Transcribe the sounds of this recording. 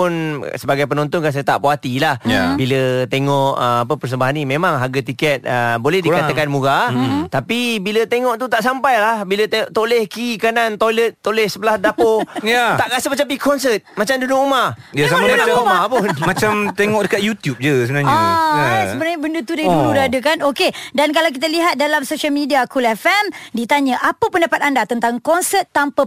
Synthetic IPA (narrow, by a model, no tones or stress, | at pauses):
ʊnsəbaɡajp̬ənɔnt̪ɔnkans̬ajat̪a̰ʔpoat̪ilahjabilət̪eŋɔʔəmap̬əpərs̬əmbaɦanimẽmãŋɦaɡat̪ikɛt̪̚əbolɛhdikat̪akanmũɡat̪apibilət̪eŋɔʔt̪ut̪aʔsampajlahbilət̪ʔt̪olɛhkikanant̪ojlət̪̚ːolɛhsəpəlahdapojaaʔkasəmat͡ʃapikɔnsət̪̚mat͡ʃamdunoʔumajasamdanaumapunmat͡ʃamt̪eŋɔʔ̚dəkat̪̚jut̪jup̚d͡ʒəsəbənaɲasəbənaɲəbəndət̪udauludadəkanokedankalawk̬it̪aliɦat̪̚dalamsoʃialmidiakulɛfɛmdit̪aɲəʔapəpəndapat̪andat̪ənt̪aŋkɔnsət̪ːampə